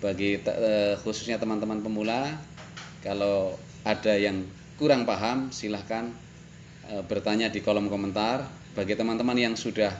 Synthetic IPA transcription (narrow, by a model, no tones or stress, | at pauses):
b̥aɡit̪xusu̥sɲat̪əmant̪əmanpəmula | kalo | ad̥ajaŋ | kuɾaŋpaɦamsilahkan | əb̥ərt̪aɲadikolɔmkomənt̪ar | b̥aɡit̪əmant̪əmanjaŋsudah